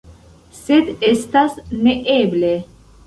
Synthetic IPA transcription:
set̪est̪asneʔeːble

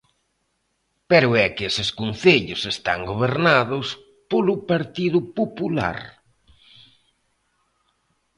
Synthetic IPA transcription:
pɛɾʊɛkɪesɪskun̟θeʎʊsest̪aŋɡoβ̞eɾnaðʊs | polʊpaɾt̪iðʊpopula̰ɾ

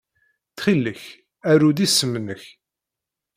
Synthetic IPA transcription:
θχilːəç | æɾuðisːəmnəç

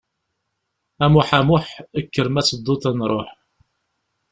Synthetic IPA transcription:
æmʊħæmʊħəkːəɾmæsəd̪ˤːʊt̪ænɾˤo̰ħ

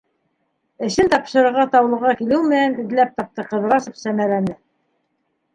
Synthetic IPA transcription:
ɘ̆ʃɘnt̪ɑpʃɤ̆ɾɤ̆ɾʁɑt̪ɑwlˠɤ̆ʁɑkilɘwmɘ̆nænɘ̆ðlæp̚t̪ɑp̚t̪ɤqɤ̆ðɤ̆ɾɑʃɤ̆psæmælænɘ

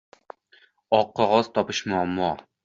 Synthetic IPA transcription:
ɒqːɒʁɒz̥t̪ʰɒpɨʃmʊamːɒ

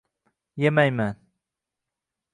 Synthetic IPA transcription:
jemajman

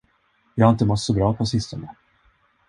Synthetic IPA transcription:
jɑːhaɪnt̪əmɔt̪ːsɔbɾɑːpʰɔsɪst̪anə

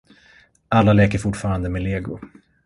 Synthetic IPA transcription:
ʔalːalɛːkəɾfʊʈfɑːɾand̪əmɛleːɡʊ

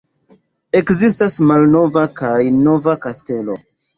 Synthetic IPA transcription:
e̞kzistasmalno̞vakajno̞vakaste̞lo̞̰

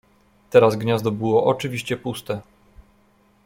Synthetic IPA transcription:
t̪ɛɾazɡɲazd̪ɔbɘwɔʔɔt͡ʂɘvʲiɕt͡ɕɛpust̪ɛ

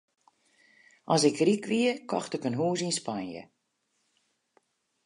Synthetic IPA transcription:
ʔɔsɪkrikʋiəkʰɔxtəkənɦuːzinspanjə̰

